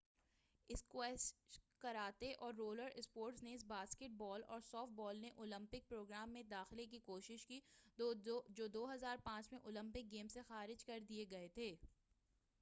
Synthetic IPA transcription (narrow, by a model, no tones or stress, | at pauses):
ɪskwɛːskɐɾaːt̪eʔɔːɾːoːləɾɪspoːɾʈsneɪs̬baːskeʈ̚bɔːlɔ̰ːɾsɔːfʈ̚bɔːlneʔoːlə̃mpɪk̚pɾoːɡɾaːmːẽd̪aːxɪlek̬ikoːʃɪʃki | d͡ʒoːd̪oːɦɐzaːɾpãːt͡ʃmẽʔoːlə̃mpɪk̚ɡeːmsexaːɾɪd͡ʒkɐɾd̪ieɡɐet̪ʰeː